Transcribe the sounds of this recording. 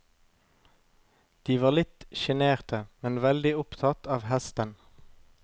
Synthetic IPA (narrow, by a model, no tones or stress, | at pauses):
d̪̥iːʋɑːʁlɪt̪ʃɛneːʁt̪ʰəmɛnʋɛld̪ɪʊpt̪ʰɑt̪ʰɑːʋhɛst̪ən